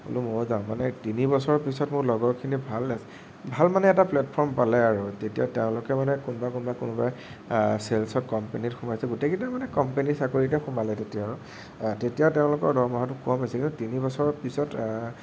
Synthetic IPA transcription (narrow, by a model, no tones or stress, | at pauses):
o̰lumozaʊ̃manɛtinibɔsɔɹɔpisɔtmʊɹlɔɡɔɹkʰinibʱalas | bʱalmanɛːtaplɛt̚pʰɔɹmpalɛaɹutetijateʊ̃lʊkɛmanɛkʊnbakʊnbakʊnʊba | selsɔt̚kɔmpenitxʊmajsɛɡʊtekitamanɛkɔmpenisakoɹitɛxumalɛtetijaɹʊ | tetijateʊ̃lʊkɔɹdɔɹmɔɦatʊkɔmasɛkĩntutinibɔsɔɹɔpisɔt